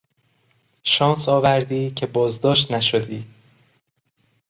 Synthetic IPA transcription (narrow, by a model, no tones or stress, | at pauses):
ʃɒːnsɒːvæɾd̪iːcʰe̞bɒːzd̪ɒːʃt̪næʃod̪iː